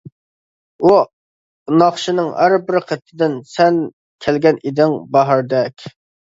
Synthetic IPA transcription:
u | nɑχʃinɨŋhæɾbɪɾqʰət̪ʰːɪd̪ɪnsɛn | kʲʰælɡʲɛnid̪ɪŋbɑɦɑɾd̪ɛkʲ

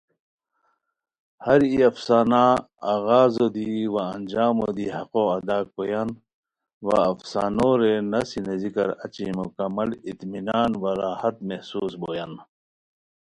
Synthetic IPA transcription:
hɐɾiɐfsaːnaː | aːɣaːzod̪iwaːnd͡ʑaːmod̪iːhɐqoːɐd̪aːk̚ːoːjan | wa̰ɐfsaːnoːɾenɐsinezikɐɾɐ̰t͡ɕimukɐmːɐlit̪minaːnwɐɾaːhɐt̪̚mehsuːsboːjan

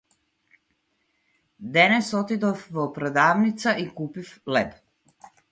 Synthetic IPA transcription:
d̪ɛnɛsɔt̪id̪ɔfvɔpɾɛd̪avnit̪saʔikupiflɛp

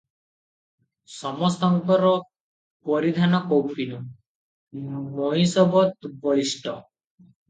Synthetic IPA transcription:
sɔmɔst̪ɔŋkɔɾɔ | pɔɾid̪ʱanɔkowpʰinu | moj̃sɔbɔt̪ubɔɭisʈɔ

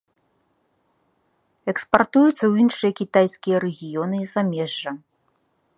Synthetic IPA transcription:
ɛkspart̪ujut̪sːɐwinʂɨjɐkʲit̪ajsʲkʲijɐɾɛɣʲijɔnɨzamʲɛʐːɐ

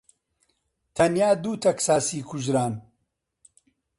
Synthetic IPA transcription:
t̪ʰɐnjaːd̪uːt̪ʰɐksaːsiːkʰʊʒɾaːn

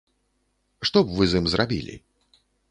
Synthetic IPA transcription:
ʂt̪ɔbvɨzɨmzrabʲḭlʲḭ

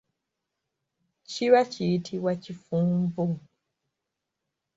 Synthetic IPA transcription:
t͡ʃiwat͡ʃiitʰiwat͡ʃifũm̩buŋ

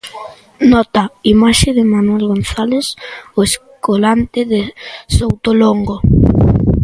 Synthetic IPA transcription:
nɔt̪aimaʃeðɪmanwɛlɣonθalesoeskolant̪ɪðesowt̪oloŋɡo

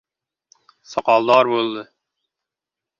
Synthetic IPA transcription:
sɑqɑlˠd̪ɑɾbolˠd̪ə

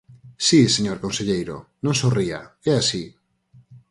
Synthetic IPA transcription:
siseɲoɾkõnseʎejɾo̰nõŋsoria̰ɛasi

